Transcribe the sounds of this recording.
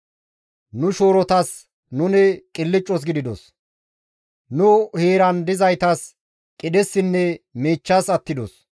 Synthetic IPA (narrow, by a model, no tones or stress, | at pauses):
nʊʃoːɾɔt̪ɐs | nʊnɪkʼɪlːɪt͡ʃʼːɔs̬ɡɪd̪ɪd̪ɔs | nʊheːɾɐnd̪ɪzɐjt̪ɐs | kʼɪd̪ɛsːɪnːɛmeːt͡ʃːɐsɐt̪ːɪd̪ɔ̰s